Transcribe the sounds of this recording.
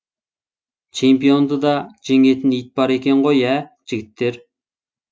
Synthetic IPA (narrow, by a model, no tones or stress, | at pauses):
t͡ʃʰempijond̪ɨd̪ɑd͡ʒeŋet̪ʰɪnɪjit̪̚bɑɾekʲɛnʁojɛd͡ʒiɡʲit̪ʰːɪɾ